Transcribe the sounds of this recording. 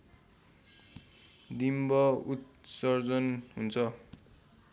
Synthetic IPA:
d̪imbʌut̪̚sʌrd͡zʌnɦunt͡sʰʌ

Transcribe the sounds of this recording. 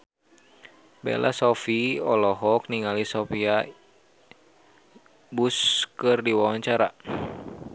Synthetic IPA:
bɛ̰lʔa̰sɔfiɔlɔɦɔk̚niŋalisɔpia | buskɨrdiwawaɲt͡ʃaɾa̰

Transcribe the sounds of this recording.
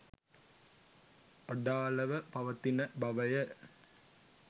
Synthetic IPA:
ɐɖaːlɐʋəpɐʋɐt̪inəbɐʋɐjə

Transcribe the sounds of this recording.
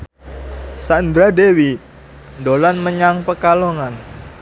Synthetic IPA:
sand̪ɾadewi | dolanməɲaŋpəkaloŋan

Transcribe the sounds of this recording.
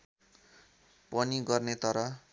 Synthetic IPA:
pʌniɡʌrnet̪ʌɾʌ

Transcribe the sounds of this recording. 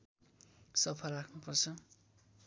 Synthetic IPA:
sʌpʰʌlrakʰnupʌrt͡sʰʌ

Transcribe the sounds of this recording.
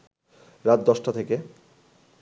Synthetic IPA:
ɾat̪̚d̪ɔʃʈat̪ʰeke

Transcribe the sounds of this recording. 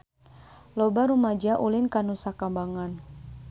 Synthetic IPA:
lɔbaɾumad͡ʒaʔulinkanusakambaŋan

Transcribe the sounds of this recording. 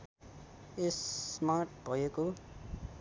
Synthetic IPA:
esmaʈ̚bʱʌjeko

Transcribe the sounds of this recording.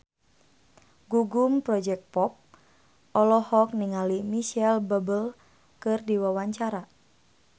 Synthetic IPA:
ɡuɡumpɾɔd͡ʒɛk̚t̚pɔp̚ | ʔɔlɔhɔk̚niŋalimiʃɛlbəbəl | kɨrdiwawaɲt͡ʃaɾa

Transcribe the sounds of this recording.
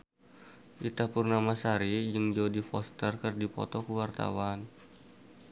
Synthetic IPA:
ʔit̪apurnamasaɾid͡ʒɨŋd͡ʒaodifɔst̪ərkərdipɔ̰t̪ɔkəwart̪a̰wan

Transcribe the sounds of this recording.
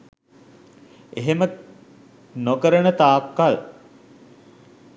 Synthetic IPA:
eɦemə | nokəɾənət̪aːkːal

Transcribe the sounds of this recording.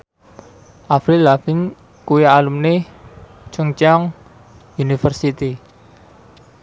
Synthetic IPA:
ʔafɾilafin | kuialumne | t͡ʃuŋt͡ʃaŋ | junifərsit̪i

